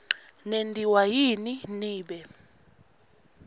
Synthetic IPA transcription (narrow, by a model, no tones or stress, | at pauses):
nendʱiwajininiːɓɛ